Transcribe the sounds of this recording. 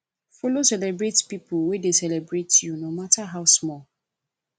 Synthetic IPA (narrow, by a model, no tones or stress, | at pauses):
folosɛlɛbɹetpipuwedesɛlɛbɹetʰjunomatʰaɦawsmɔl